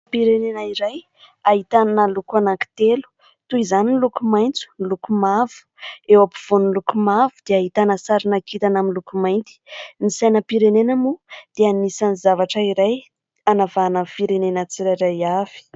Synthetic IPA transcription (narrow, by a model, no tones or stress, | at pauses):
piɾenenaiɾaj | aɦit̪annalukuanaki̥t̪elu̥ | t̪uizaninlukumajnt͡su̥nilukumavu̥ewapiv̥onlukumavud̪̥eaɦit̪anəsaɾinakʰit̪anaminlukumajnt̪i̥nisajnəpiɾenenamud̪̥eanisanizavaʈ͡ʂəiɾaj | anavanafiɾenenət͡siɾaɾajavi̥